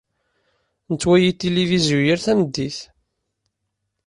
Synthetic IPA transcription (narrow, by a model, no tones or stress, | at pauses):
nət͡sːwæjit̪ːelivizjujiɾθæməd̪ːiθ